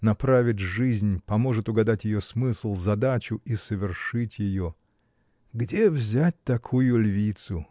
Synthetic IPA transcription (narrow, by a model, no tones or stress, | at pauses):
nɐpɾavʲɪtʲʐɨzʲnʲpɐmo̞ʐɨt̪ʊɡɐd̪atʲjɪjo̞smɨslˠzɐd̪at͡ɕʊʔisəvʲɪrʂɨtʲjɪjo | ɡdʲe̞vzʲæt̚ʲt̪ɐkʰujʊlʲvʲit̪sʊ